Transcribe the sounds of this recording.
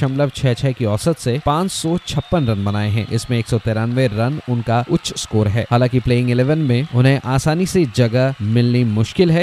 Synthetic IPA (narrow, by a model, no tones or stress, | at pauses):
ʃɐ̃mləbt͡ʃʰɛːt͡ʃʰɛːkiɔːsət̪sepãːt͡ʃsɔt͡ʃʰɐpːənɾɐ̃nbɐnaːeɦɛ̰̃ʔɪ̰smẽeːksɔt̪eːɾãːnʋeɾɐnʊnkaʊtːʃʰskoːɾɦɛ̰ːhaːlãːŋkipleːɪ̃ŋɡɪleːʋənmẽʊnɦẽʔʔaːsaːnised͡ʒɐɡəmɪlnimʊʃkɪlɦɛː